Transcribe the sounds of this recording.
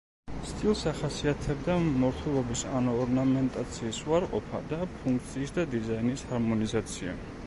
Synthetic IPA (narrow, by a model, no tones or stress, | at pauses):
st̪ʼilˠsaχasiat̪ʰɛbd̪amɔɾt̪ʰulˠɔbisa̰nɔːɾnamɛnt̪ʼat̪sʰiːsuaɾqʼɔpʰa̰d̪apʰuŋkʰt̪sʰiːsd̪ad̪izainishaɾmɔnizat̪sʰia̰